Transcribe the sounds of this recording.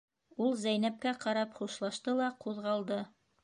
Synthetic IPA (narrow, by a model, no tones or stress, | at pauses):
ulˠzæjnæp̚kæqɑɾɑpχuʃlˠɑʃt̪ɤlˠɑquðʁɑlˠd̪ɤ